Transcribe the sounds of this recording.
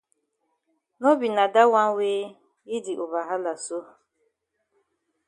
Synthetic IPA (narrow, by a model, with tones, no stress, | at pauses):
no˦bi˨na˨da˦wa˦ŋ̩˦weː˦ | ɪ˦di˨ʔo˨ba˨ɦa˦la˨so˦˨